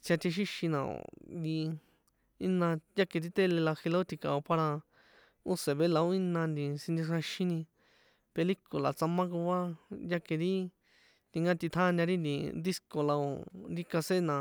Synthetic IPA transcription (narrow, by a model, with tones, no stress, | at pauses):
t͡sja˧t̪e˧ʃ̬i˦ʃĩ˧nã˧˨o̰˨di˧ | i˦nã˧ja˦ke˧ɾi˦t̪e˦le˧la˧xe˧la˧˦o˦t̪i˧ka̰˨o˧pa˧ɾa˧ | u˦se˨βe˧˦la˧o˦i˦nã˧nd̪i˧sĩ˧nd̪i˧ʂã˧ʃĩ˦nĩ˧ | pe˧li˦ko˨la˨t͡sa˧mã˦ku˧a˦ja˦ke˧ɾi˦ | t̪i˧ŋɡã˦t̪i˧t̪ʰa˦˧nã˧ɾi˦nd̪ĩ˧d̪i˦sko˧la˧o̰˧˨nɾi˦ka˧se˦nã˨